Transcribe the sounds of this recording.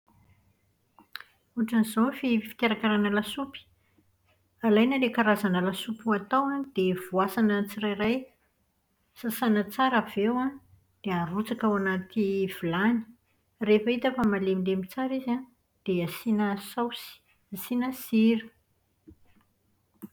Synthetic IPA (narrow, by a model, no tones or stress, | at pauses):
uʈ͡ʂanizofifi̥kʲaɾakaɾanəlasupi̥ | alajnəlekaɾazanəlasupuat̪awad̪̥ev̥uasanət͡sirajraj | sasanət͡saɾav̥ewa | d̪̥earut͡sakawanat̪ʰiv̥ilani̥ | refəit̪afəmalemilemit͡saɾizan | d̪̥easinəsawsi̥ | asinəsiɾə̥